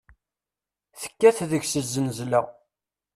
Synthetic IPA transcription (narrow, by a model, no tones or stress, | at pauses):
θə̥kːæθðəʝsəzːənzlæ